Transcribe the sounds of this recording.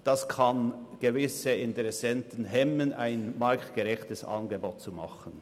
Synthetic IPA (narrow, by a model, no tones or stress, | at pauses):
d̥ɑskʰɑnɡ̥evɪsəɪntɛɾɛsɛntən̩ɦɛmənʔaɪnmɑɾktɡ̥əʁɛçtəsɑ̰nɡəboːt̚t͡sumɑχən̩